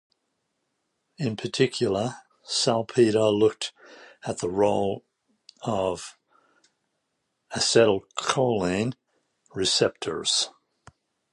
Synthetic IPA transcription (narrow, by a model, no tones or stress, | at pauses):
ɪ̃npʰə˞tʰɪkʰjl̩ˠə˞ | salˠpʰiɾəlʊk̚tɨt̪̚ðəɹoʊlˠ | ʌv̥ | ɨsɛɾl̩ˠkʰoʊlˠɪ̃n | ɹɨsɛp̚tʰə̰˞z̥